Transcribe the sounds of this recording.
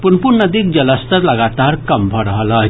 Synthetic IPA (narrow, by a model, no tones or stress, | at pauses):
punpunəd̪ik̚d͡ʒʌləst̪əɾləɡat̪aɾkʌmbʱʌɾəɦlʌ